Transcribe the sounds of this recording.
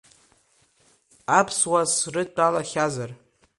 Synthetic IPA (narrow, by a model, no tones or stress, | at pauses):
apʰswasrɨt͡pʼalaχʲazar